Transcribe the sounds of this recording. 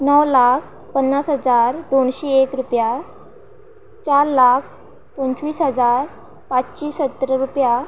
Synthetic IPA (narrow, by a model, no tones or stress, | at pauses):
nəwlak̚ʰ | pənːasɦəd͡zaɾd̪oɳɕeekɾupja | t͡ɕaɾlak̚ʰ | p̪ənt͡ɕʋiːsɦəd͡zaɾ | pat͡st͡ɕiːsət̪ːɾəɾupja